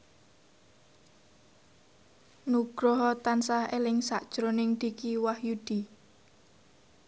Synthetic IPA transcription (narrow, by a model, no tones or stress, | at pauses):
nuɡ̥ɾɔɦɔt̪ansahelɪŋsaʔd̥ʒ̥ɾonɪŋd̪̥ikiwahjud̪̥i̤